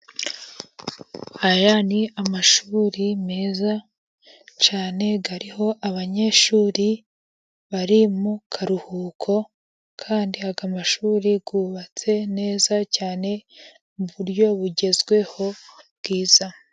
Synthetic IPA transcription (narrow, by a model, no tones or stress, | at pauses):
hajaniamaʃuːɾimeːza | t͡ʃaːne̞ɡaɾiho̞ʔaβaɲe̞ʃuːɾi | βaɾimukʰaɾuhuːkʰo̞ | kʰaːndiaɡamaʃuːɾiɡuːβat͡se̞ne̞ːzacaːne̞ | muβuɾjo̞βuɟe̞zɡwe̞ho̞βɡiːz̥a